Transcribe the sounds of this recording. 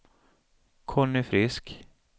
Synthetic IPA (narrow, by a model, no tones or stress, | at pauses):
kʰɔɳʏfɾɪsk